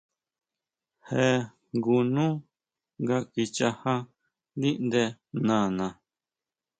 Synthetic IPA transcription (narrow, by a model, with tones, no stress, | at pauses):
he˧ | ŋɡu˧nũ˦ | ŋɡa˧ki˧t͡ʃa˧hã˦ | d̪i˦ʔnd̪e˧nã˨nã˨